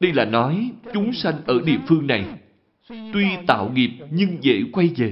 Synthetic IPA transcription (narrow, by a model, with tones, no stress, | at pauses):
ɗə˧jlaː˨˩nɔ˨˦jt͡ɕʊ˨˦ŋ͡msa˧ŋ̟ʔəː˧˩ɗḭ˧˨əfɨ˧əŋna˨˩j | t̪wi˧t̪a̰ː˧˨wŋi˨˩p̚ɲɨ˧ŋzə̰˧˨kwa˧jze˨˩